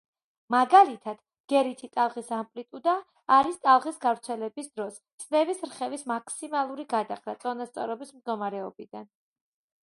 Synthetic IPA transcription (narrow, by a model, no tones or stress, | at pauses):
maɡalit̪ʰad̪̥ | ɡ̥ɛɾit̪ʰit̪ʼalˠʁisampʼlit̪ʼud̪aː | ɾist̪ʼalˠʁisɡavɾt̪sʰɛlɛbisd̪ɾɔs | snɛvisɾχɛvismakʰsimalˠuɾiɡad̪aχɾat̪sʼɔnast̪sʼɔɾɔbismd̪ɡɔmaɾɛɔbid̪an